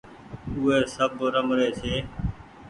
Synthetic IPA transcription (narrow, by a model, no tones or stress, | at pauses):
ʊɦeːsəbɾəmɾeːseː